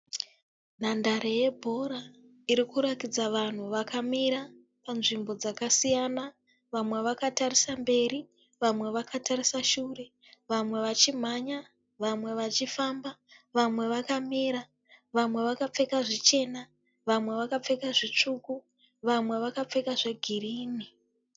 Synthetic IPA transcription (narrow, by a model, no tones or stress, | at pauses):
n̤andaɾeje̞bʱo̞ɾa | iɾikuɾatid͡zaʋan̤uʋakamiɾa | panʐimbo̞d͡zakasijana | ʋamwe̞ʋakatarisambe̞ri | ʋamwe̞ʋakataɾisaʃure̞ | ʋamwe̞ʋat͡ʃim̤aɲa | ʋamwe̞ʋat͡ʃifaːmbaʋamwe̞ʋakamiːɾa | ʋamwe̞ʋakap͡fe̞kaʐit͡ʃe̞ːna | ʋamwe̞ʋakap͡fe̞kaʐit͡ʂuku | ʋamwe̞ʋakap͡fe̞kaʐe̞ɡʱiriːni